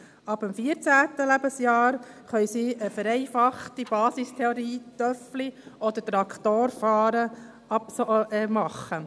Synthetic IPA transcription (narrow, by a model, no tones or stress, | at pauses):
ɑb̥əmfiəɾt͡sæːt̪əlæbəsjɑːɾχœjsiəfəɾɛɪfɑχt̪ib̥ɑːsistʰɛoɾiːt̪œfliɔd̪ət̪ɾɑkʰt̪oːɾfɑːɾə | ɑpsmɑχːə